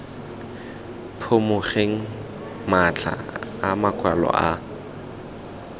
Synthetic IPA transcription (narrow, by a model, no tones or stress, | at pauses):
pʰʊmʊχeŋ̩ | mat͡ɬʰa̰ːmakʰʼwalɔ̰ʔa